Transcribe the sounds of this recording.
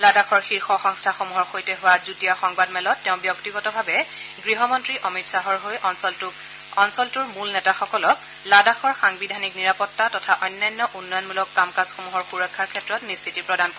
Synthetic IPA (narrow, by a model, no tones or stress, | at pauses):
ladaxɔɹxiɹxɔxɔŋstʰaxomuɦɔɹxojtɛɦʊwazutijaxɔŋbadmɛlɔtːɛʊ̃bjɔktiɡɔtɔbʱabɛ | ɡɹiɦɔmɔntɹiʔɔmitsaɦɔɹɦojɔnsɔ | ɔnsɔltʊɹmulnɛtaxɔkɔlɔk | ladaxɔɹxaŋbidʱanikniɹapɔtːatɔtʰaʔɔjnːajnːɔʔunːɔjɔnmulɔkːamkasxomuɦɔɹxuɹɔkʰːaɹkʰɛtɹɔtnistʰitipɹɔdankɔ